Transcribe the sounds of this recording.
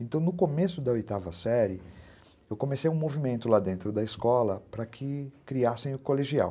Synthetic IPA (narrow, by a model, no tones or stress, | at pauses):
ẽnt̪ɐ̃w̃nʊkomesʊd̪ɐojt̪avɐsɛɾɪ | ewkõmesejũmovimẽnt̪ʊlad̪ẽnt̪ɾʊd̪ɐɪskɔlɐpɾɐkʰɪkɾiasẽj̃ʊkoleʒia̰w